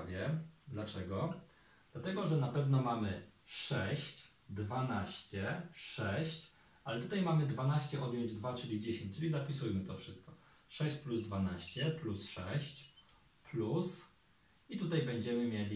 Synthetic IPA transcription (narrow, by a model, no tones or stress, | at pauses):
vʲjɛd̪lat͡ʂɛɡɔ | d̪̥lat̪ɛɡɔʐɛnapɛvnɔmamɘʂɛɕt͡ɕ | d̪vanaɕt͡ɕɛʂɛɕt͡ɕ | ʔalɛt̪ut̪ajmamɘd̪vanaɕt͡ɕɛʔɔd̪ʲjɔɲd͡ʑd̪vat͡ʂɘlʲid͡ʑeɕẽɲt͡ɕt͡ʂɘlʲizapʲisujmɘt̪ɔfʂɘst̪̚kɔ | ʂɛɕt͡ɕpluzd̪vanaɕt͡ɕɛplusʂɛɕt͡ɕ | plus | it̪ut̪ajbɛɲd͡ʑɛmɘmʲjelʲi